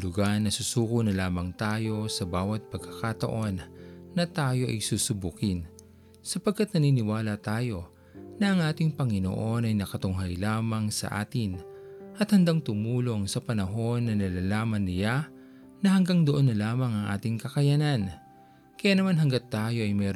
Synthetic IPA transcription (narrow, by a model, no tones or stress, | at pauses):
lʊɡaɾnɐsusuːkonɐlaːmɐŋt̪aːjo̞sɐbaːwɐt̪̚pɐɡ̚kɐkat̪ɐ̰ʔo̞nːɐt̪aːjo̞ʔɐ̰jsuːsʊbukɪn | sɐpɐɡ̚kːat̪̚nɐninɪwaːlɐt̪aːjo̞ | nɐʔɐŋʔaːt̪ɪŋpɐŋɪno̰ʔo̞nɐjnɐkɐt̪ʊŋɦajlaːmɐŋsɐ̰ʔa̰ːt̪ɪnʔɐt̪hɐnd̪aŋt̪ʊmuːlo̞ŋsɐpɐnɐɦo̞nːɐnɐlalaːmɐnːɪja | nɐhɐŋɡaŋd̪oʔo̞nːɐlaːmɐŋɐŋʔa̰ːt̪ɪŋkɐkɐjanan | kɐjaːnɐmanɦɐŋɡɐt̪ːaːjo̞ʔɐjmɛːɾ